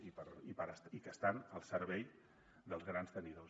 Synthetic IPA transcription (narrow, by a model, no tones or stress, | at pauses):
ipəɾipəɾəsikəst̪anəlˠsəɾβɛj | d̪əlˠzɣɾanst̪əniðo